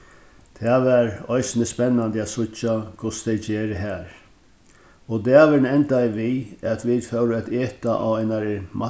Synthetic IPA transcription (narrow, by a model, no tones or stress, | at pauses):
t̪ʰɛʋæɾɔjsɪnɪspɛnːand̪ɪat̪sʊt͡ʃːakʰʊst̪ʰɛjd͡ʒeːɾɪɦæːɾ | ɔd̪ɛːaʋɪɾnɛnt̪ajʋiæt̪ʰʋid̪fœwɾɪat̪eːt̪aʔa̰ʋaɪnaɾɪmʔa